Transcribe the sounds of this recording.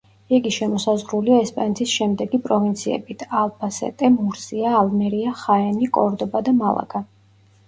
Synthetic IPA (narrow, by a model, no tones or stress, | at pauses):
ɛɡiʃɛmɔsazʁɾuliaɛspʼanɛt̪ʰisʃɛmd̪ɛɡipʼɾɔvint̪sʰiɛ̰bit̪ʰalˠpʰasɛ̰t̪ʼɛmuɾsiaːlˠmɛɾiaχaɛnikʼɔɾd̪ɔbad̪amalˠa̰kʰʼa